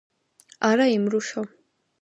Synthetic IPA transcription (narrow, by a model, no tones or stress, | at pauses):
aɾaimɾuʃɔ